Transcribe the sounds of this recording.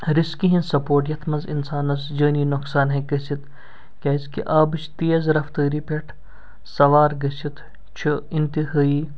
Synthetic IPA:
ɾiskiɦĩnsɐpoːʈjɐt̪ʰmɐnzḭnsaːnɐsd͡ʒəːniːnʊksaːnɦẽɡəsit̪ | kʲaːiskiʔaːbɨt͡ʃʰt̪eːzɾɐft̪əːɾipʲeʈʰ | sɐʋaːɾɡɐsit̪ʰ | t͡ʃʰuint̪iɦaːiː

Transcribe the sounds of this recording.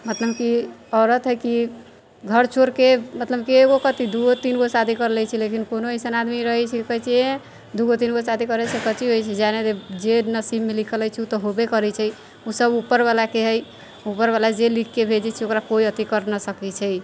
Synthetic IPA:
mət̪ləbkiɔɾət̪ɦəjki | ɡʱəɾt͡ʃʰoɾkemət̪ləbkieɡokət̪id̪uɡot̪inɡosad̪ʱikəɾlɛjt͡ʃʰilekinkonoesənad̪miɾəɦɛt͡ʃʰɛkəɦit͡ʃʰiẽ | d̪uɡot̪̬inɡosad̪ʱikəɾesekət͡ʃiɦojt͡ʃʰɛd͡ʒaned̪ed͡ʒenəsibmelikʰələjt͡ʃʰiut̪ɔɦobekəɾɛt͡ʃʰɛj | usəbupːəɾbalakeɦəj | upəɾbalad͡ʒelikʰːebʱed͡ʒɛt͡ʃʰiokɾakoiət̪ikəɾnəsəkɛt͡ʃʰɛ

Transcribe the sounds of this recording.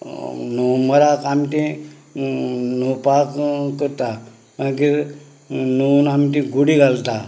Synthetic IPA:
noməɾakamt̪ẽ | nopakkəɾt̪a | mãk̬i | nunamt̪̬ĩɡuɽiɡalt̪a

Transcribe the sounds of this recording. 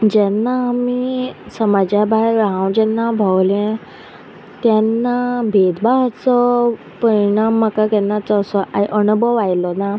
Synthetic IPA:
d͡ʑɛnːaːmisəmad͡ʑjabʱajɾaɦãwd͡ʑɛnːabʱəwlẽ | t̪janːabʱed̪baɦt͡sɔ | pəɾiɽ̃amːəkakɛnːat͡sɔːsɔʔajʔəɳbɔʋajlɔna

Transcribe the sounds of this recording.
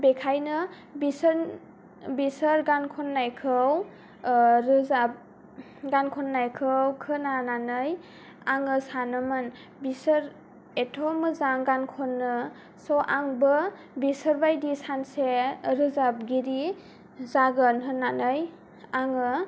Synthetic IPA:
bekʰajnɯ | bis | bisəɾɡankʰɔnːajkʰɯw | ɾɯzap̚ | ɡankʰɔnːajkʰɯwkʰɯnananɯj | aŋɯsanɯmɯn | bisəɾ | etʰɔmɯzaŋɡankʰɔnːɯ | sɔʔaŋbɯ | bisəɾbajdisanseɾɯzab̚ɡiɾi | zaɡɯnɦɯnːanɯj | aŋɯ

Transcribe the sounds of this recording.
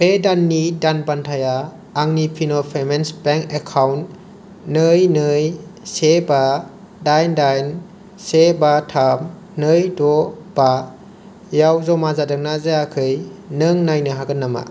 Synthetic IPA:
pedanːidanpantʰajaː | ŋnipʰinɔpʰemensbeŋkekʰawnː | ɯjnɯjseba | dajndajn | sebatʰam | nɯjdɔ | b̥a | jawzɔmazadɯŋ̚nazajakʰɯjnɯŋnajnɯɦaɡɯnːama̰

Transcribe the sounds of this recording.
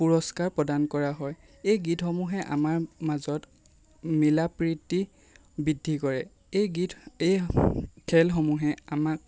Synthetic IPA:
puɹɔskaɹpɹɔdankɔɹaɦɔj | ejɡitxɔmuɦɛʔa̰maɹmazɔt | milapɹitːi | bidʱːikɔɹɛ | eɡite | kʰɛlxɔmuɦɛamak̚

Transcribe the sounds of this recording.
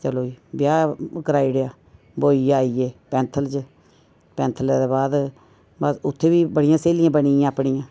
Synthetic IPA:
t͡ʃəloːiːbjaːkəɾaːiːɽejaː | boːiːaːiːeːpɛ̃ːnt̪ʰəlt͡ʃ | pɛ̃ːnt̪ʰəld̪eːbaːd̪ | bəsʊt̪ʰːeːʋiːbəɽɪjãːseːlɪjãːbəɽiːãːaːpɳijãː

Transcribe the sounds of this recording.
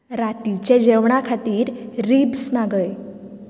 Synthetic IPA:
ɾat̪it͡ʃed͡ʒeʋɳ̃ãkʰat̪iɾːibsmãɡəe

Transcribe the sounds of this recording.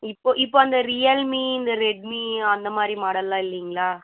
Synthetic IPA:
ɪpːoːʔɪpːoːɐnd̪ɐɾijɐlmiːɪnd̪ɐɾɛɖ̚miːɐnd̪ɐmaːd̪ɾimaːɽɐlːãːɪlːɐjŋɡɐɭaː

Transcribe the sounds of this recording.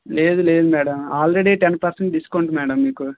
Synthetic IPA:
le̞ːd̪ule̞ːd̪umɛːɽɐmaːlɾeɽiːʈenpɐɾseɳʈɖiskɐuɳʈmɛːɽɐmːiːku

